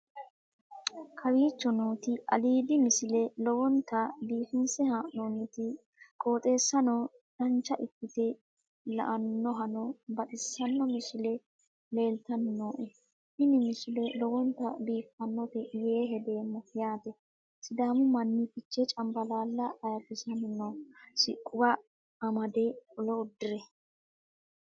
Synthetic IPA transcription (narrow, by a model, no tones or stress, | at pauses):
kʰɐwiːt͡ʃːɔnoːt̪ɪʔɐ̰liːd̪ɪmɪsɪlɛlɔwɔnt̪ːɐb̪iːfɪnsɛhanoːnɛt̪ɪ | kʼo̞ːt̪ʼe̞ːsːɐnɔ | d̪̥ɐnt͡ʃːɐʔɪkːɪt̪ɛ | lɐ̰ʔɐnːɔɦɐnɔbɐt̪ʼɪsːɐnːɔmɪsɪlɛ | le̞ːlt̪ɐnːoːʔɛ | hɪnɪmɪsɪlɛlɔɡɔnt̪ɐbiːfɐnːɔt̪ɛjeːɦɛd̪eːmːɔjaːt̪ɛ | sɪd̪aːmʊmɐnːɪpɪt͡ʃːɛt͡ʃʼɐmbɐlaːlːɐːjɐfɪsɐnɪnːɔsɪkʼːʊwɐ | ɐmɐd̪ɛʊlɔʊd̪ːɪɾɛ